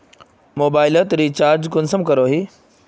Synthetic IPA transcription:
moːbaːɪlət̪ɾiːt͡ɕaːɾd͡ʑkʊnsəmkɐɾoːɦiː

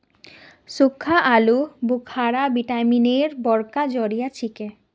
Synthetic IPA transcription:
sukʰːaʔalubukʰaɾabiʈamineɾbɔɾkad͡ʑɔɾijat͡ɕʰike

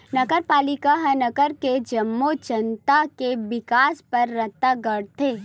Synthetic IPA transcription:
nɐɡəɾpaːlɪkaɦɐnɐɡəɾked͡ʒɐmːod͡ʒɐ̃nt̪akeʋɪkaːspɐɾːɐt̪ːaɡəɽt̪ʰeː

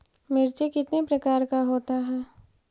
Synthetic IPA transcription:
mɪɾt͡ʃekɪt̪nepɾɐkaːɾkaɦoːt̪aɦɛː

